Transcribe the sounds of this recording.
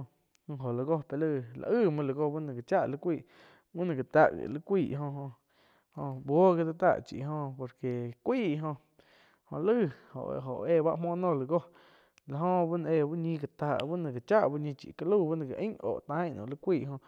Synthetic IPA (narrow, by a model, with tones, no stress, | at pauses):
ɨ̃˧ɦo˨la˧˨ɡo˦pe˧lɨ˦˧˨la̰˧ʔɨ˦˨mə̃˧lə˧˨ɡo˧bu˦nã˧˨ɡa˨t͡ʃa˦ʔli˧˦kʷiː˧˨ | bu˦nã˧˨ɡa˨t̪a˧ʔɡḭ˨lɨ˦kʷiː˧˨ʔɦõ˧ɦõ˧ | hõ˧bo˦ɡe˧d̪a˧t̪a̰˦˨t͡ʃḭ˨ɦõ˧po˨ɾke˨kʷiː˦˨˧ɦõ˧ | hõ˧lɨ˦˨ho̰˨ʔɦo̰˨ʔeː˧˨βa˦ʔmõː˦˧˦nõ˧˨lə˧˨ɡo˦ | la˨ɦõ˧bu˦nã˧ʔeː˧bu˦ɲĩ˧ka˨t̪aː˧˨ʔbu˦nã˧˨ɡa˨t͡ʃa˦ʔbu˦ʔɲĩ˧t͡ʃḭ˨ka˧lu˦˧˨bu˦nã˧ɡa˨ʔĩ˦o̰ː˨ʔt̪ã˦˨nõ̰˨li˦kʷiː˦˨ʔɦõ˧